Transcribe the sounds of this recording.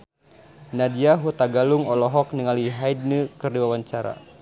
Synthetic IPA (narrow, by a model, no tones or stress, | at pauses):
nadiaɦut̪aɡaluŋɔlɔɦɔk̚niŋaliɦaid̚nəkɨrdiwawaɲt͡ʃaɾa̰